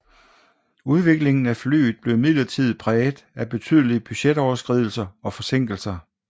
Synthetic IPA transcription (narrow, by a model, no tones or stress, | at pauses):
uð̞ˠʋe̝ɡ̥le̝ŋn̩æfly̰ːð̩ˠb̥le̝ʊmið̰ˠlɐt͡sʰið̞̩̰ˠpʰʁɛːd̥ˠæb̥e̝t͡sʰyðˠəlib̥yɕed̥ɒʊɐsɡ̥ʁið̰ˠl̩sɐɒ̽fɒ̽se̝ŋ̰ɡ̥l̩sɐ